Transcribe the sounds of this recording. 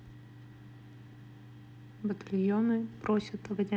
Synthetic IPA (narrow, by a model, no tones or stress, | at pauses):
bət̪ɐlʲjonɨpɾosʲət̪əɡədʲɪ